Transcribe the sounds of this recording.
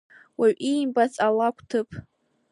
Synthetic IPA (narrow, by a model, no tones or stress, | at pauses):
waɥʔijmbat͡sʼalakʷʰʼtʰɨpʰʼ